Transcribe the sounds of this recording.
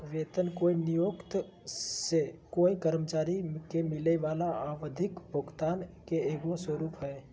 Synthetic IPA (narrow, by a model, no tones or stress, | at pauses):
ʋeːt̪ənkoːinijoːkt̪ | sekoːikəɾmət͡ʃaːɾikemɪleʋaːlaaːʋd̪ʱɪkbʱʊɡt̪aːnkeeːɡõswəɾuːpɦɛː